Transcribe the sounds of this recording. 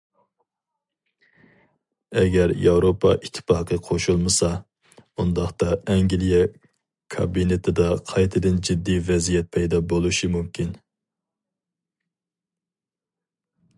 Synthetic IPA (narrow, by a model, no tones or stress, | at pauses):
ɛɡʲɛɾjɑwɾopʰɑʔit̪ʰːɪ̥pɑːqəqʰoʃulˠmɨsɑ | und̪ɑχt̪ɑɛŋɡʲilˠijɛ | kʰɑ̰binet̪ʰɪd̪ɑqʰɑjt̪ʰɨd̪ɨnd͡ʒid̪ːivɛzijɛt̪̚pʰɛjd̪ɑbolˠuʃimumkʲʰin